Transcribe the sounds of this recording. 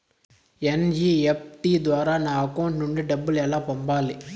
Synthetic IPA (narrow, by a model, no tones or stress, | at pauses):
ɛnd͡ʒiɛp̚ʈid̪ʋaːɾaːnãːɐkɐwʊɳʈnʊɳɖɯɖɐbːɯlɛlːãːpɐmbaːle